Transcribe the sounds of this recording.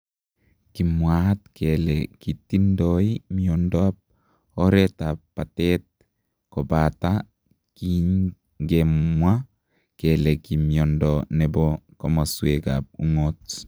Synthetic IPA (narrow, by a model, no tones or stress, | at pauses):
kimwat̚kʰelekit̪indoimiondoap̚ | oɾɛtapːatet̪̚ | kobata | kiɲ | ɡemwa | kelekimiondɔnɛbɔkomasueɡa̰p̚uŋot